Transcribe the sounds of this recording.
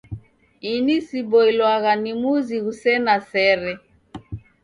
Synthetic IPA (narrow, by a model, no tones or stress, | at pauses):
inisibɔilwaɣanimuziɣusɛnasɛɾɛ